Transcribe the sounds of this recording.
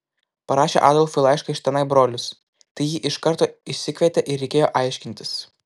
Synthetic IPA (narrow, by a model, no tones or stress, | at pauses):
pɐɾɑːʃʲḛːʔɑ̰ːd̪ɐlˠfʲʊɪlˠɑɪʃkɐɪʃʲt̪ʲɛnɐɪbɾoːlʲʊs | t̪ɐɪjiːʔɪʃkɐɾt̪oːɪʃʲsʲɪkʲʋʲɛt̪ʲeʔɪɾʲɛɪkʲeːjoːʔɑɪʃʲkʲɪnʲt̪ʲɪs